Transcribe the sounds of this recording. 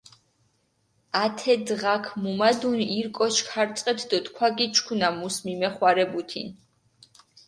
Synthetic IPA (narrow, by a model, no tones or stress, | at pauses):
at̪ʰɛd̪ʁakʰmumad̪uniɾkʼɔʃkʰaɾt̪sʼqʼɛt̪ʰd̪ɔt̪kʰwaɡit͡ʃʰkʰunamusmimɛχwaɾɛbut̪ʰḭn